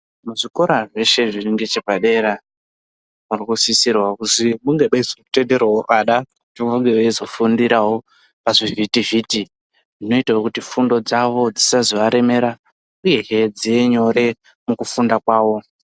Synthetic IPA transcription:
muʐiko̞ɾaʐe̞ʃe̞ʐiriŋɡet͡ʃepaɗe̞ɾa | murikusisirwakusimuŋɡeɓaizoku̥te̞nde̞rwawoʔaɗakutiuŋɡewaizo̞fundiɾawo̞ | paʐivitiviti | ʐino̞itaokutifundo̞d͡zaʋo̞d͡zisaziʋaɾe̞me̞ɾa | uje̞ɦed͡zieɲo̞ɾe̞ | mukufundakwaːwo̞

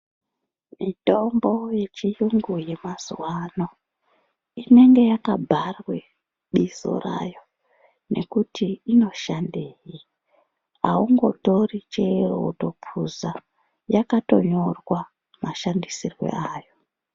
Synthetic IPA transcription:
mito̞mbo̞je̞t͡ʃijuŋɡuje̞maz̥wano̞ | ine̞ŋɡe̞jakabʱarwe̞ | ɗizo̞̰ra̰jo | ne̞kutiino̞ʃandeːji | a̰uŋɡo̞̰to̞rit͡ʃe̞ro̰to̞pʰuza | jakato̞̰ɲo̞rwa | maʃandisirwe̞̰ʔaːjo

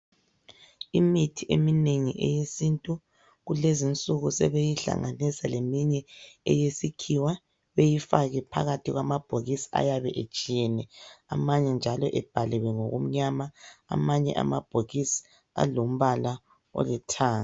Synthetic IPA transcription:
imitʰiʔemineŋiʔɛ̰jesintʼu | ɣulezint͡sʼuɣusɛβejiɬa̰ŋanisalemiɲɛɛ̰jesikʰiwa | βejifaɣɛpʰa̰ɣatʰiɣwamab̥ʱoɣisi̥a̰jaβɛʔet͡ʃʼijɛnɛamaɲɛnd͡ʒʱalɔʔɛb̥ʱalɛwɛŋoɣo̰m̩ɲama̰ːmaɲɛ̰ʔa̰mab̥ʱoɣisi̥ | a̰lom̩βala | ɔ̰lɛtʰaːŋ

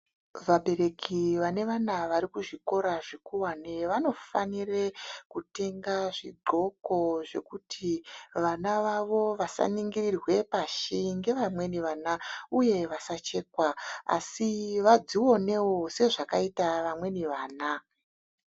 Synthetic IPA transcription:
ʋaɓe̞ɾe̞kʰiʋane̞ʋanaʋaɾikuʐiko̞ɾaʐikuwaneʋano̞fanirekute̞ŋɡaʐiɡ͡ǃʱo̞ko̞ʐe̞kutʰiʋanaʋaʋo̞ʋasa̰niŋɡirirwe̞paʃiŋɡe̞ʋamwe̞niʋaːnauje̞ʋasat͡ʃe̞ːkwaa̰siʋad͡ziwo̞ne̞wose̞ʐakaitaʋamwe̞niʋaːna

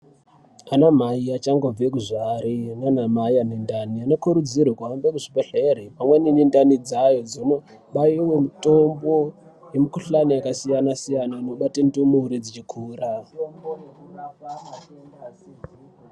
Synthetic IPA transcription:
anamaiat͡ʃaŋɡob͡vekuʐaɾinanamaianendanianokuɾud͡zirwekuambekuʐipeɬerimamweninindanid͡zajo̞d͡zono | ɓaiwe̞muto̞mbo̞jemukuɬaniakasijanasijanaino̞ɓatindumuuɾed͡zit͡ʃikʰuːra

